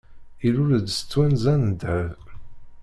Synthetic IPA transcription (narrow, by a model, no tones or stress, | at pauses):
iɾʊɾd̪sə̥t͡sːwænzænd̪ʕəv